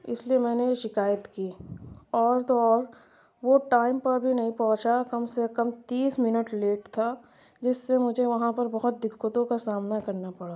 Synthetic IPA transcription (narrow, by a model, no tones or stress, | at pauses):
ɪ̰sliemɛ̃ːnejeʃɪkaːjət̪kiːɔːɾt̪ɔːɾ | ʋoʈaːɪmpɐɾbʱinɐɦĩpɔ̃ɦʊ̃t͡ʃakɐmsekɐmt̪iːsmɪnəʈleːʈt̪ʰa | d͡ʒɪsːemʊd͡ʒʱeʋɐɦãpɐɾbɐɦʊt̪̚d̪ɪkːʊt̪õkasaːmnakɐɾnapɐɽaː